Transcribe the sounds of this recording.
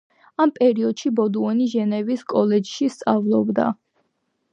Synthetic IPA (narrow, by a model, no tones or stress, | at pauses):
ampʼɛɾiɔd̪̥ʃibɔd̪uɔniʒɛnɛviskʼɔlɛd͡ʒʃist̪sʼavlˠɔbd̪a̰